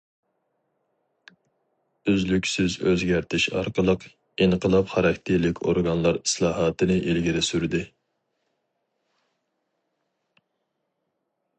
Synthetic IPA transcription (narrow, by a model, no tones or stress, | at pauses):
yzlykʲsyzøzɡʲæɾt̪ʰɪʃɑ̰ɾqəlˠəq | enəqəlˠɑpχɑɾɑkʲt̪ʰeɾlɪkʲʰoɾɡɑnlˠɑɾislˠɑːɦɑːt̪ʰɨnɪʔelɡʲiɾɪsyɾd̪ɪ